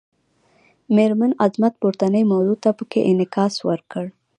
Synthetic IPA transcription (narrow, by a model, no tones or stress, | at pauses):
meɾmanazmat̪̚puɾt̪anəjmawzut̪apəkḛʔɪnɪkɑswəɾkəɽ